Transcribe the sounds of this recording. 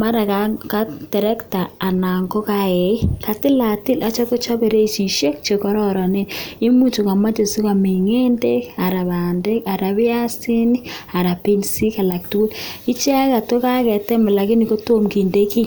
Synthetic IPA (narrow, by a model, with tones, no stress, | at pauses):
ma˦ɾa˨kaka˦tɛ˨ɾɛ˦ktaː˨na˨ŋɡo˦ka˦e˨i˦ka˨tɪ˦la˨tɪ˦lʔa˨t͡ʃɔ˦ko˦t͡ʃɔ˦be˨ɾe˦˨t͡ʃi˨ʃe˦k̚t͡ʃe˨kɔ˦ɾɔ˦ɾɔ˨ne˦ɪ˦mu˦t͡ʃo˨ka˨ma˦d͡ʒe˨su˦ka˨mi˨ŋe˦nde˦ka˨ɾa˨βa˨nde˦ka˨ɾa˨βɪ˦a˦si˦ni˦a˨ɾa˨pi˦nsi˦ka˨la˨ktu˦u˦li˦t͡ʃa˦ka˨to˦ka˦kɛ˨tɛ˦ma˨la˨kɪ˦ni˨ko˦to˦mki˨nde˦ki˦